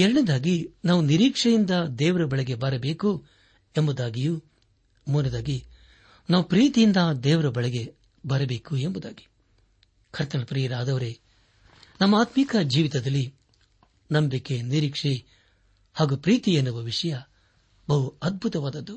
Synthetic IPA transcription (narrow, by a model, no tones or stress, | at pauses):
ɛɾɐɳed̪aːɡinaːʋuniɾiːkʂɐjind̪ɐd̪ɛːʋɐɾɐbɐɭɛɡe̞bɐɾɐbeːku | embud̪aːɡiju | muːnɐd̪aːɡi | naːʋupɾiːt̪ijind̪ɐd̪ɛːʋɐɾɐbɐɭɛɡe̞ | bɐɾɐbe̞ːkuembud̪a̰ːɡi | kʰɐɾt̪ɐɭɐpɾiːɾaːd̪ɐʋɐɾe | nɐmːɐaːt̪mikɐd͡ʒiːʋit̪ɐd̪ɐlːi | nɐmbikːeniɾiːkʂi | haːɡupɾiːt̪ienːuʋɐʋiʂɐjɐ | bɐɦuɐd̪̚bʱut̪ɐʋaːd̪ɐd̪ːu